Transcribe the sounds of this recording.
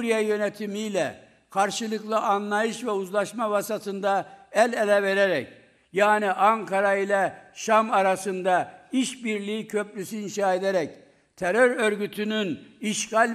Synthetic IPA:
ɾijɛjø̞nɛt̪ʰimijlʲɛ | kʰaɾʃɯlˠɯklˠɯʔanlːˠajɯʃvɛuzlˠaʃmavasat̪ʰɯnd̪aælʲelʲɛve̞ɾeɾɛc | jaːniʔaŋkʰaɾailʲɛʃamaɾasɯnd̪aiʃbiɾlʲijicʰø̞plʲysyinʃaːe̞d̪eɾɛc | t̪ʰeɾøɾø̞ɾɟyt̪ʰynyniʃɡalʲ

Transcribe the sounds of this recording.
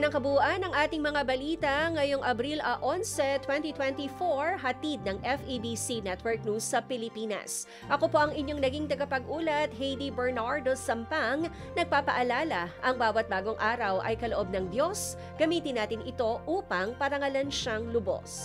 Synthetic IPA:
nɐŋkɐbuʔɐnɐŋʔaːt̪ɪŋmɐŋabɐliːt̪ɐŋɐjoŋʔɐbɾilʔɐʔonsɛt̪ːwɛnt̪it̪wɛnt̪ifoɹɦɐt̪id̪̚nɐŋʔɛfʔibisinɛt̪wɛɹk̚nusːɐpɪlɪpiːnɐ̰s | ʔɐkopo̞ʔɐŋɪɲoŋnɐɡiŋt̪ɐɡɐpɐɡʔuːlɐt̪̚hɛjd̪ibɛɹnaɹd̪o̞sɐmpaŋ | nɐɡ̚paːpɐʔɐlaːlɐʔɐŋbaːwɐt̪̚baːɡo̞ŋʔaːɾɐwʔɐ̰jkɐloʔo̞b̚nɐŋd̪jo̞s | ɡ̥ɐmiːt̪ɪnːaːt̪ɪnɪt̪o̞ʔuːpɐŋpɐɾɐŋɐlɐnʃaŋlʊbo̰s

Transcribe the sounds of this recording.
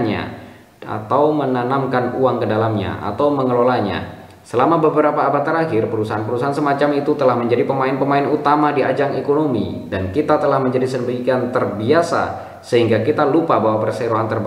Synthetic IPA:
nɲa̰ | a̰t̪awmənanamkanuaŋkədalamɲa̰a̰t̪awməŋəlolaɲa̰ | səlamabəbəɾapaːbat̪ːəɾahɪrpəɾusaɦanpəɾusaɦansəmat͡ʃamit̪ut̪əlahməɲd͡ʒadipəmaɪnpəmaɪnut̪amadiad͡ʒaŋekonomḭ | dankit̪at̪əlahməɲd͡ʒadisəmbəikant̪ərbiasa̰ | səɦiŋɡakit̪alupabawapərseɾoɦant̪ərb

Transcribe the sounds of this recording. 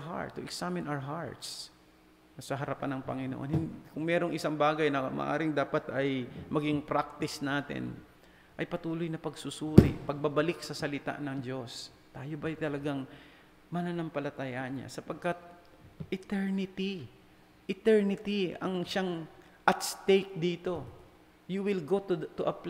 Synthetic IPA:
ɦa̰ɹt̪ːʊʔɛksamɪnʔawəɦaɹt̪s | nɐsɐɦɐɾɐpanːɐŋpɐ̰ŋɪno̰ʔonhɪnd̪kʊŋmɛːɾo̞ŋʔɪsaŋbaːɡɐjnɐmɐ̰ʔa̰ːɾɪŋd̪aːpɐt̪ɐjmɐɡiŋpɾak̚t̪ɪsnaːt̪ɪ̰n | ʔɐjpɐt̪uːlo̞jnɐpɐɡsʊsuːɾɪ̰pɐɡ̚bɐbɐlɪk̚sɐsɐlɪt̪a̰ʔnɐŋd͡ʒo̞s | t̪aːjo̞bɐjt̪ɐlɐɡaŋ | mɐnanɐmpɐlɐt̪ajaʔɲa̰sɐpɐɡ̚kat̪̚ | ʔɪt̪ɛɹnɪt̪i | ʔɪt̪ɛɹnɪt̪iɐ̰ŋʃaŋ | ʔɐt̪st̪ejk̚d̪iːt̪o̞ | juwɪlɡot̪t̪ʊʔɐp

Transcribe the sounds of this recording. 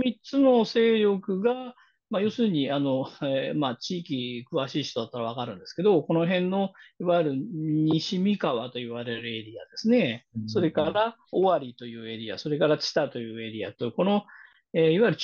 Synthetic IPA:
mʲit͡sɨno̞se̞ːɾʲjo̞kɯ̟ɡa | majo̞ːsɨːɲ̟iano̞emat͡ɕiːkʲikɯ̟βaɕiːɕt̪od̪at̪ːaɾaβ̞akaɾɯ̟̃nd̪e̞sɨ̥ke̞d̪o̞ko̞no̞ɦẽ̞nːo̞iβajɾɯ̟ɲ̟iɕimʲikaβat̪o̞iβaɾe̞ɾɯ̟e̞ɾʲia̰d̪̥e̞sɨne̞so̞ɾe̞kaɾao̞βaɾʲit̪o̞jɯ̟ːe̞ɾʲia̰so̞ɾe̞kaɾat͡ɕi̥t̪at̪o̞jɯ̟ːe̞ɾʲia̰t̪o̞ko̞no̞ | eiβajiɾɯ̟

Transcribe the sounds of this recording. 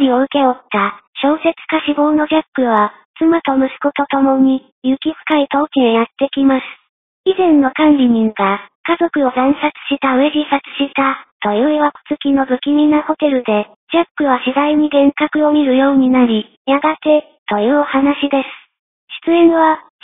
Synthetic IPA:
ɾʲio̞ɯ̟ke̞ot̪ːaɕo̞ːse̞t͡sɨ̥kaɕibo̞ːno̞d͡ʑapːɯ̟βa | t͡sɨmat̪o̞mɯ̟sɨ̥ko̞t̪o̞t̪o̞mo̞ɲ̟i | jɯ̟kʲiɸɯ̟̥kait̪o̞ːkʲiejat̪ːe̞kʲimasɨ̥ | izẽ̞nːo̞kãnɾʲiɲ̟ĩŋɡakazo̞kɯ̟o̞zẽɰ̃sat͡sɨ̥ɕit̪ae̞ʑʲisat͡sɨ̥ɕit̪at̪o̞jɯːeβako̥t͡sɨkʲino̞bɯ̟kʲimʲinaho̞t̪e̞ɾɯ̟d̪e̞ | d͡ʑapːɯ̟βaɕid̪aiɲ̟iɡẽ̞ŋkakɯ̟o̞mʲiɾɯ̟jo̞ːɲ̟inaɾʲi | jaɡat̪e̞ | t̪o̞jɯːohanaɕid̪e̞sɨ̥ | ɕi̥t͡sɨẽ̞ɰ̃βa

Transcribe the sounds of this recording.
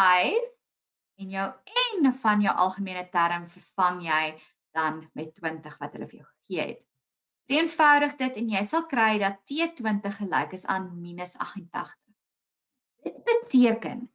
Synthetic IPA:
ɐj | ɛnjœwɛnfɐnjœwʔɐ̰lˠχəmiənətæɾəmfərfɐŋjɛj | d̥ɐnmɛtːwəntəχvɐtɦə̰lə̰fərjœ̰wχəχiəɛ̰t | fəriənfœwɾəχdətɛnjɛjsɐlˠkrɛjdɐtːiətwəntəχːəlɛ̰jkəsɑ̰ːnminəsɐ̰χəntɐ̰χtəχ | d̥ət̚bətiəkə̰n

